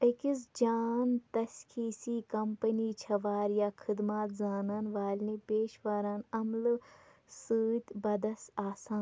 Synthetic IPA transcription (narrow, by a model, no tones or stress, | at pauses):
ɐkisd͡ʒaːnt̪ɐskʰiːsiːkɐmpəniːt͡ʃʰɐʋaːɾjaːkʰɨd̪maːt̪zaːnanʋaːlnipeːʃʋaːɾaːnɐml | sɨːt̪ʲbɐd̪ɐsaːsaːn